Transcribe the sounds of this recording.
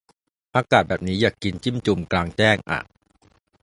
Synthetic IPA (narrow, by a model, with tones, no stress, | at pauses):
paː˧kaː˨˩t̪̚bɛː˨˩p̚niː˦˥jaː˨˩kːi˧nt͡ɕi˥˩mt͡ɕu˧mklaː˧ŋt͡ɕɛː˥˩ŋʔa̰˨˩